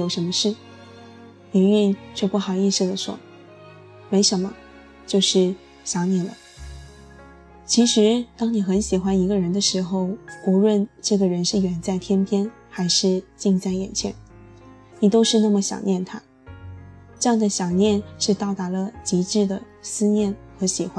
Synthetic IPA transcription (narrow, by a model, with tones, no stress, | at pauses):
o˨˩ʊʂə˧˥nmə˧ʂɻ̩˥˩ | i˧˥ny˥˧nt͡ɕʰɥɛ˥˧pu˥˩xɑ˨˩ʊi˥˧s̩˥˩d̪ə˩ʂwɔ̰˥ | me˧˥ɪʂə˧˥nmə˧ | t͡ɕjo˥˧ʊʂɻ̩˥˩ | ɕjɑ˧˥ŋnjɛ˥˩nlə̰˩˦ | t͡ɕʰi˧˥ʂɻ̩˧˥t̪ɑ˥ŋni˨˩xə˧˥nɕi˨˩xwa˥ni˧˥ɡə˧ɻə˧˥nd̪ə˧ʂɻ̩˧˥xo˧ʊu˧˥ɻwə˥˧nʈ͡ʂɤ˥˩ɡə˩ɻə˧˥nʂɻ̩˥˩ɥɛ˨˩nt͡sa˥˩ɪt̪ʰjɛ˥npʰjɛ˥n | xa˧˥ɪʂɻ̩˥˧t͡ɕi˥˧ŋt͡sa˥˩ɪjɛ˨˩nt͡ɕʰjɛ̰˧˥n | ni˨˩t̪o˥ʊʂɻ̩˥˧na˥˩mə˩ɕjɑ̰˨˩ŋnjɛ˥˩nt̪ʰa˥ | ʈ͡ʂɤ˥˧jɑ˥˩ŋd̪ə˩ɕjɑ˨˩ŋnjɛ˥˧nʂɻ̩˥˧t̪ɑ˥˩ʊt̪a˧˥lə˧t͡ɕi˧˥ʈ͡ʂɻ̩˥˩d̪ə˩ | sɹ̩˥njɛ˥˩nxɤ˧˥ɕi˨˩xwa˦˥n